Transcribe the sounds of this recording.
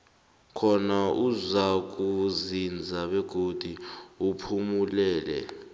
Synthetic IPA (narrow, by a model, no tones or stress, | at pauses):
kʰɔnauzak̬ʼuzind͡zʱaɓɛɡ̥ʱod̥ʱiupʰumulɛːlɛ̰